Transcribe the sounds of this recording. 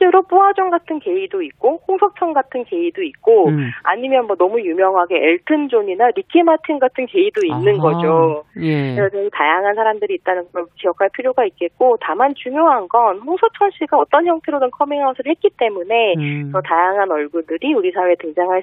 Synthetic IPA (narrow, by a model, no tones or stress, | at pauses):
t͡ɕ͈eɾop͈uɦad͡ʑʌŋɡatʰɯnke̞idoik͈oɸoŋsʰʌk̚t͡ɕʰʌŋɡatʰɯnke̞idoit̚k͈oa̰ɲimjʌnmʌnʌmujumjʌŋɦaɡe̞ʔeɭtʰɯnd͡ʑoɲinaɾikʰimatʰinɡatʰɯnke̞idoinːɯnɡʌd͡ʑo | esʌt͡ɕʰʌɡitajaŋɦansʰaɾamdɯɾiːt̚t͈anɯnkɯɾʌnkijʌkʰaɭpʰiɾjoɡait̚k͈e̞t̚k͈otamant͡ɕuŋjoɦanɡʌnɸoŋsʰʌk̚t͡ɕʰʌnɕʰiɡaʌt͈ʌnçjʌŋtʰe̞ɾodɯnkʰʌmiŋɦaosʰɯɭhet̚k͈it͈e̞mune̞t͡ɕʌtajaŋɦanʌɭɡudɯɾiuɾisʰaweetɯŋd͡ʑaŋɦaɭ